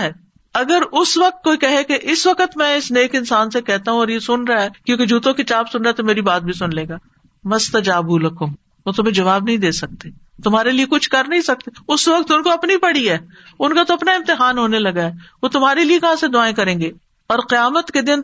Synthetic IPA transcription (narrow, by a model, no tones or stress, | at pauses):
ɦɛː | ɐɡəɾʊsʋɐq̚t̪̚koikɛɦekeʔɪsʋɐkət̪mɛ̃ɪsneːkɪnsaːnsekɛɦt̪aɦũɔːɾjesʊnɾaaɦɛːkjõːked͡ʒuːt̪õkit͡ʃaːbsʊnɾaɛt̪omeːɾibaːt̪̚bʱisʊnleːɡaː | mɐst̪ɐd͡ʒaːbuːlɐkõː | ʋot̪ʊmẽd͡ʒɐʋaːbnɐɦĩd̪eːsɐk̚t̪e | t̪ʊmɦaːɾeliekʊt͡ʃʰkɐɾnɐɦĩsɐk̚t̪eʊsʋɐk̚t̪ʊnkoɐpnipɐɽiɦɛː | ʊnkat̪oɐpnaɪ̃mt̪ɪɦaːnɦoːnelɐɡaɦɛːʋot̪ʊmɦaːɾeliekɐɦãsed̪ʊaːẽkɐɾẽːɡeː | ɔːɾqɪjaːmət̪ked̪ɪn